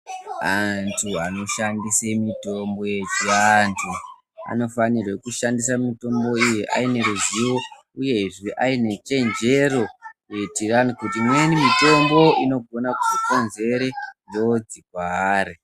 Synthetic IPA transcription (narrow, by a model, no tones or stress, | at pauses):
antʰuano̞ʃandisemito̞mbo̞je̞t͡ʃiantʰu | a̰no̞fanirwe̞kuʃandis̬amito̞mbo̞ijiʔa̰ine̞ɾuziwo̞ | uje̞ʐiʔaine̞t͡ʃe̞nd͡ʒe̞ro̞je̞tiranikutimwenimito̞mbo̞ino̞ɡʱo̞nakuʐiko̞nze̞ɾe̞ndeod͡zikwaaːɾe